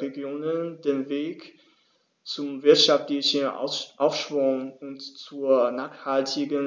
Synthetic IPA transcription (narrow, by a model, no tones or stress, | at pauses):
eɡjoːnəndeːnveːk | t͡sʊmvɪɐtʃaftlɪçən̰ʔaʊfʃv̥ʊnʊntt͡suːɐnaːχhaltʰɪɡən